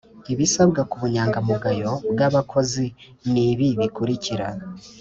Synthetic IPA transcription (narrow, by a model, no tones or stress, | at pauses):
iβisabɡakuβuɲaːŋɡamuɡajo̞bɡaβakʰo̞zi | niβiβikuɾicʰiɾa